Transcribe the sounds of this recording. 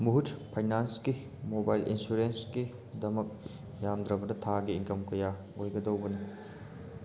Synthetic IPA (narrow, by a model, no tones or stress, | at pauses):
muɦutpʰajnanski | mobajlʔḭnsuɾenski | dɐmɐk̚ | jamd̪ɾɐbɐdɐtʰaɡiːŋkɐmkɐja | ojɡɐdɐwbɐnɐ